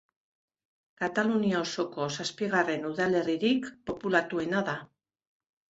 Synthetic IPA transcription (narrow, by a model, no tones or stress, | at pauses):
kat̪aluniao̞so̞ko̞saspiɣare̞nuðale̞riɾikpo̞pulat̪ue̞naða